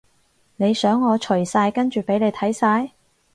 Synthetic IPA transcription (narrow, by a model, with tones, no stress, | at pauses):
ne˨˧jsœː˨˥ŋːɔː˨˧t͡ʃʰɵ˨˩ɥsaː˧jkɐ˥nt͡ʃyː˨pe˨˥ne˨˧jt̪ʰɐ˨˥jsaː˧j